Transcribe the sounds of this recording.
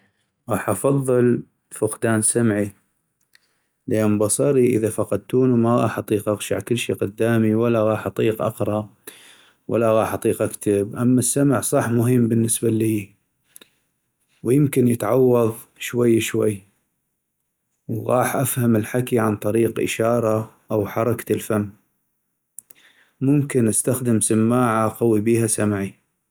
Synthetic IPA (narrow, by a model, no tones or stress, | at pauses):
ɣɑːħʔɑfɑðˤːɨl | fʊqd̪aːnsamʕi | lʔaːmbɑsˤɑɾiʔə̰ðafɑqɑd̪̚t̪uːnumaɣɑ̰ːħʔɑt̪ˤiːqʔaɣʃa̰ʕkəlːʃiːqʊd̪ːaːmiwalːaɣɑːħʔɑt̪ˤiːqʔɑ̰qɾˤɑ | wa̰lːaɣɑːħʔɑt̪ˤiːqʔakt̪abʔamːasːamʕsˤɑħmʊɦəmːbənːəsbaliː | wjɪmkɪnjɪt̪ʕɑwːɑðˤ | ʃwajːʃwajː | wɣɑːħʔafhamɪlħakiʕant̪ˤɑɾiːqʔɪ̰ʃɑːɾˤɑ | ʔawħɑɾˤɑkḁlfamː | mʊmkɪnʔast̪axd̪ɪmsamːaːʕaqɑwibiːhasamʕi